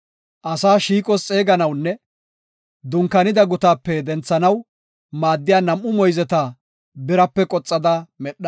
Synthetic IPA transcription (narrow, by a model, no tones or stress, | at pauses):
ʔɐsaːʃiːkʼɔst͡sʼe̞ːɡɐnɐwnːɛ | d̪ʊŋkːɐnɪd̪ɐɡʊt̪aːpːɛd̪ɛnt͡sːɐnɐw | maːd̪ːɪjaːnɐmʔʊmɔjzɛt̪aː | bɪɾɐpːɛkʼɔt͡sʼːɐd̪ɐmɛɗːɐ